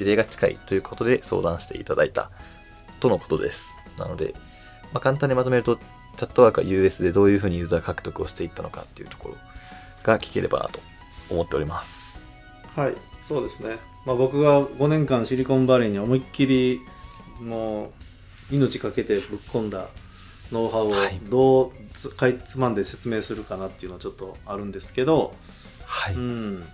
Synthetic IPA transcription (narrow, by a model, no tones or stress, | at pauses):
d͡ʑiɾe̞ːɡat͡ɕi̥kaḭt̪o̞jɯ̟ːkʰo̞t̪o̞d̪e̞so̞̰ːd̪ãɕi̥t̪e̞ʔit̪ad̪ait̪a̰ | t̪o̞no̞kot̪o̞d̪e̞̰sɨ̥ | na̰no̞d̪e̞̰ | makãnt̪ãɲ̟ːimat̪o̞meɾɯ̟t̪o | t͡ɕat̪ːo̞βaːkɯ̟a̰jɯ̟ːe̞sɨd̪e̞d̪o̞ːjɯ̟ɸɯ̟ːɲ̟ijɯːzaːkakɯ̟t̪o̞kɯ̟o̞ɕi̥t̪e̞it̪ːano̞ka̰t̪ːe̞iɯ̟t̪o̥ko̞̰ɾo̞̰ | ɡ̥akʲi̥ke̞ɾe̞ba̰na̰t̪o̞̥ | omo̞t̪ːe̞o̞ɾʲimasɨ̥ | haiso̞ːd̪e̞sɨne̞ | mabo̞kɯ̟ɡaɡo̞nẽ̞ŋkãɰ̃ɕiɾʲikõ̞mbaɾʲiɲ̟io̞moikʲːiɾʲi | noː | ino̞t͡ɕi̥kake̞t̪e̞bɯ̟kkʰːõ̞nd̪a | no̞ːɦaoaid̪o̞ːkait͡sɨmãnd̪e̞se̞t͡sɨme̞ːsɨɾɯ̟kanat̪ːe̞iɯ̟no̞at͡ɕo̞t̪ːo̞aɾɯ̟̃nd̪e̞sɨ̥ke̞d̪o̞ | haiɯ̟̃ɴ